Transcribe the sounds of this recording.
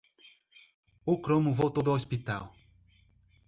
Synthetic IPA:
ʊkɾõmʊvowt̪od̪ʊaospit̪a̰w

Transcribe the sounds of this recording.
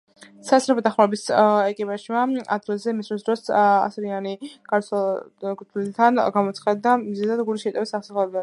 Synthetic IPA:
sasɾɛpʰɔd̪aχmaɾɛbisɛkʼipʼaʒmaa̰d̪̚ɡilˠzɛmisɾisd̪ɾɔsa̰sɾianiɡ̥aɾt̪ʰkʼɾt̪ʰlit̪ʰanɡamɔt̪sχad̪ːamizɛzad̪ɡuɾiʃɛt̪ʼɛbisaχsaχlɛbid̪an

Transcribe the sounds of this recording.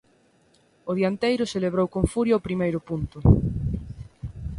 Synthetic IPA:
ʊðjant̪ejɾʊseleβ̞ɾowkoɱfuɾjɐopɾimejɾʊpunt̪ʊ

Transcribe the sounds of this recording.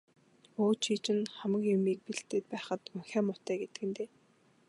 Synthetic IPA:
oːt͡ɕʰiːt͡ɕɪ̆nχæmə̆kjʊmiːk̚piɬt̪eːt̪̚pæːχə̆t̪ɵŋxʲæːmʊt̪æːɡet̪ɘ̥̆ɡɘ̆nt̪eː

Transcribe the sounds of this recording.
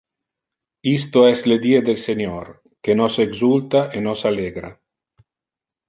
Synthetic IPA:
is̬t̪oɛsled̪ied̪elseɲoɾ | kenoseɡzult̪aʔenosaleɡɾa̰

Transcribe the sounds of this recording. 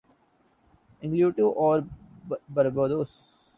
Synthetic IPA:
ɪ̃ŋkluːɖʈuːʔɔːɾbəɾbəːd̪oːs

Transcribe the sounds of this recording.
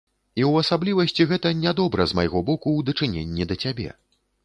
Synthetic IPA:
iwɐsablʲivɐsʲt͡sʲiɣɛt̪ɐnʲad̪ɔbɾɐzmajɣɔbɔkud̪ɐt͡ʂɨnʲḛnʲːid̪ɐt͡sʲabʲɛ̰

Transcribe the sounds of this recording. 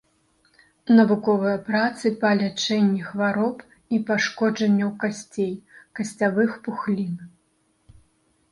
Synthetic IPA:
nɐvukɔvɨjɐpɾat̪sɨpalʲat͡ʂɛnʲːɛxvaɾɔp | ipaʂkɔd͡ʐɐnʲːɐwkasʲt͡sʲejkɐsʲt͡sʲavɨxpuxlʲin

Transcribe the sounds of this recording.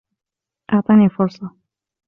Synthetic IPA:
ʔaʕt̪ˤɑnifʊɾsˤɑ

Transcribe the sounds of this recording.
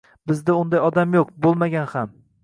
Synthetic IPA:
bɪzd̪aʊnd̪ajɒd̪amjoqbolˠmaɡʲanham

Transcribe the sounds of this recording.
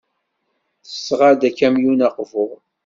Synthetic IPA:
θə̥sːʁad̪ækːæmjunɑqvʊʁ

